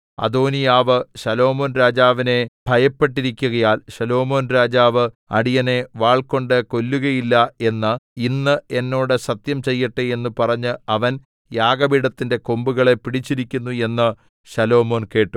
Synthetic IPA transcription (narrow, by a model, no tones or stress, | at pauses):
ɐ̰d̪oːnijaːʋɨɕɐlo̞ːmo̞ːnɾaːd͡ʑaːʋine̞b̥ʱɐjɐpːe̞ʈːiɾikʲːuɣɐjaːlɕɐlo̞ːmo̞ːnɾaːd͡ʑaːʋɨ | ɐ̰ɽijɐne̞ʋaːɭko̞ɳɖɨko̞lːuɣɐjilːɐe̞nːɨinːɨe̞nːo̞ːɽɨsɐt̪jɐmt͡ɕe̞jːiʈːɨe̞nːupɐrɐɲːɨɐʋɐn | jaːɡɐbiɽɐt̪ːinde̞ko̞mbuɣɐɭe̞piɽit͡ɕːiɾikʲːunːue̞nːɨ | ɕɐlo̞ːmo̞ːnke̞ːʈːu